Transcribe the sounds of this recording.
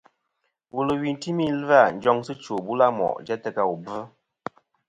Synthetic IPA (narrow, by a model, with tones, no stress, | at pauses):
wu˨lə˨wi˨n˦ti˦mi˦la˦˨n̩˨d͡ʒɔ˦ŋsɨ˦t͡ʃo˨bu˦la˦mɔ̰˨ʔd͡ʒɛ˦tə˦ka˦wu˨bə˦